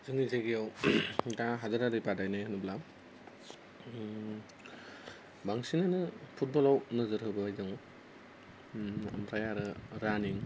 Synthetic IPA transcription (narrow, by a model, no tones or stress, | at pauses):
zɯŋizeɡijawdaɦadɯɾaɾɯjpadajnajɦɯnubla | baŋsinanɯpʰut̚bɔlawnɯzɯɾhɯbɯajdɯŋ | a̰mpʰɾajaɾɯɾaniŋ